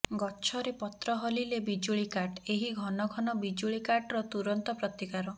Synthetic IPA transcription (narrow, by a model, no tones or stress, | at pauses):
ɡɔt͡ʃʰɔɾepɔt̪ɾɔɦɔlilebid͡ʒuɭikaɖeɦiɡʱɔnɔɡʱɔnɔbid͡ʒuɭikaʈɾɔt̪uɾɔnt̪ɔpɾɔt̪ikaɾɔ